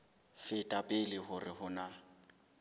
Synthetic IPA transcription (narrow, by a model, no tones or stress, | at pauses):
fɪtʼapʼɪlɪhʊrɪhʊna